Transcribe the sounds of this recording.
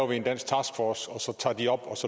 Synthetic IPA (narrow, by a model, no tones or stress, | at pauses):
ʋie̝nd̥æn̰sɡ̥t͡sʰɑ̈ːsɡ̥fɒsɒ̽sɒ̽t͡sʰɑ̰̈ːd̥iɒ̽b̥ɒ̽sɒ̽